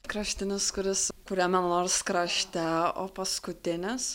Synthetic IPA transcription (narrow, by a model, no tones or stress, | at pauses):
kɾɑʃʲt̪ʲɪnʲɪskʊɾʲɪskʊɾʲɛmʲɛnoːɾskɾɑʃʲt̪ʲɛo̰ːpɐskʊt̪ʲɪnʲɪs